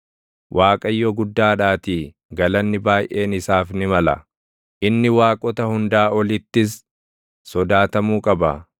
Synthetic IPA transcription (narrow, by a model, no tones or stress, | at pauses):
wʔaːkʼɐjːɔɡʊd̪ːaːᶑaːt̪iː | ɡɐlɐnːɪbaːjʔe̞ːnɪsaːfnɪmɐlɐ̰ | ʔɪnːɪwaːkʼɔt̪ɐhʊnd̪aːɔlɪt̪ːɪsː | ɔd̪aːt̪ɐmuːkʼɐbɐ̰